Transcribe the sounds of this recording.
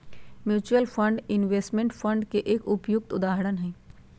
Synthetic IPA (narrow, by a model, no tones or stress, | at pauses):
mjuːt͡ʃuəlfʰə̃ɳɖɪnʋeːsʈmẽɳʈfʰə̃ɳɖkeʔeːkʊpjʊk̚t̪ʊd̪aːɦɾənɦɛ̃ː